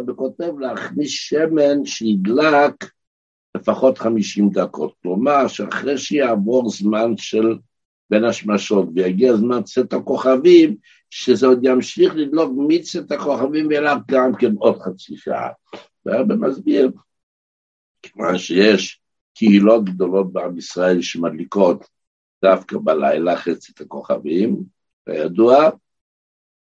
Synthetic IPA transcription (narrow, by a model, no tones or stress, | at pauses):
beko̞tevleaχnisʃemenʃeid̪lak | lefaχo̞tχamiʃimd̪akʰo̞̰t̪̚klomaʁʃeaχʁejʃejaːvo̞ʁzmanʃel | benaʃmaʃo̞tvejaɡiazmant͡setako̞χavim | ʃezeod̪jamʃiχlid̪lo̞kmit͡set̪ako̞χavimveelavɡamkeno̞d̪χat͡siʃa̰a̰ | veabemazbiʁ | kema̰nʃejeʃ | kʰehilo̞t̪̚ɡd̪o̞lo̞t̪̚beamisʁae̞lʃemad̪liko̞t̪ | d̪̥afkabala̰jlaχet͡sit̪ako̞χa̰vim | a̰jad̪ua